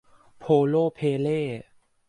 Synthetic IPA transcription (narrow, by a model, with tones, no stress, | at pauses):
pʰoː˧loː˥˩pʰeː˧leː˥˩